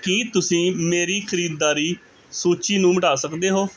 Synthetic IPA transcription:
kiːt̪ʊsĩːmeːɾiːkʰəɾiːd̪ːaːɾiː | soːt͡ʃiːnũːməʈaːsəkd̪eːɦoː

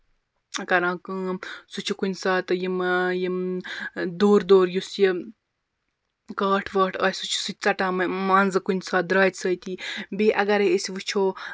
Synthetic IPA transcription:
kɐɾãːkɨsut͡ʃʰukunʲsaːt̪ɨjimji | d̪oːɾd̪oːɾjusji | kaːʈʰʋɐːʈʰɐːsut͡ʃʰu̥sɨt͡sɐʈãːmmaːnzɨkunʲsaːd̪ɾaːjt̪ʲsəjt̪iːbiʔɐɡɐɾeesʲiʋɨt͡ʃʰoː

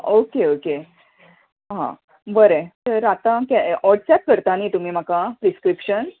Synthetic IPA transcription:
okeoke | ɦã̰ | bəɾet̪əɾat̪ãkaɔʈsɛp̚kəɾt̪aniːt̪um̤iːm̤akapɾiskɾipɕən

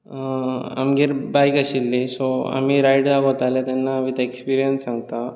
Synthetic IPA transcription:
a̰mɡiɾbajkaɕilːisoa̰m̤iːɾajɽd͡zaot̪alet̪anːamit̪ekspiɾijənssãŋɡt̪a

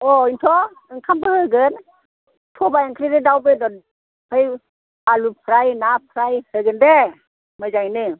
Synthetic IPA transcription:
ɔintʰɔ | ɯŋkʰambɯhɯɡɯn | tʰɔbajaŋkʰɾidɯdawbɯdɔ | pʰaj | alupʰɾajnapʰɾajhɯjɡɯnde | majzajnɯ

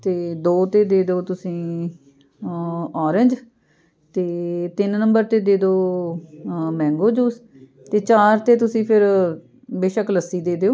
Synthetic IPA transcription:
t̪eːd̪oːt̪eːd̪eːd̪oːt̪ʊsĩː | ɔːɾɪ̃ɲd͡ʒ | t̪eːt̪ɪnnəmbəɾt̪eːd̪eːd̪oː | mɛ̃ːŋɡoːd͡ʒuːs | t̪eːt͡ʃaːɾt̪eːt̪ʊsĩːpʰɪɾ | beːʃəkləsːiːd̪eːd̪eːoː

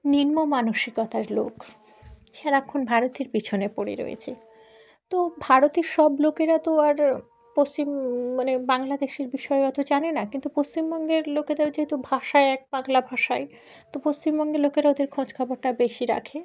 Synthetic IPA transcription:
ninmomanoʃikɔt̪aɾlok | ʃaɾaɛkʰːonbʱaɾot̪iɾpit͡ɕʰonepoɽḛɾo̰jḛt͡ɕʰe | t̪obʱaɾot̪iɾʃɔblokeɾat̪oaɾ | post͡ɕimmanebaŋlad̪eʃeɾbiʃɔekɔt̪ʰod͡ʑanenakint̪upost͡ɕimbɔŋɡeɾloked̪ebed͡ʑaɦet̪obʱaʃaeɛk̚baŋlabʱaʃae | t̪opost͡ɕimbɔŋɡeɾlokeɾaod̪eɾkʰõd͡ʑkʰaboɾʈabeʃiɾa̰kʰe

